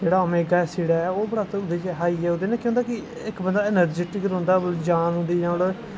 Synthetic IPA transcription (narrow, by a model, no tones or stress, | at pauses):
d͡ʒeːɽaːomẽːɡaːɛːsiːɽaːɛːoːbəɽaːt̪ʊd̪eːt͡ʃɦaːiːɛːod̪eːnẽːkjõːnd̪aːkɪ | ɪkbənd̪aːɪnəɾd͡ʒiːʈɪkəɾɦʊ̃nd̪aːd͡ʒaːnɦʊ̃nd̪iːnãːɽ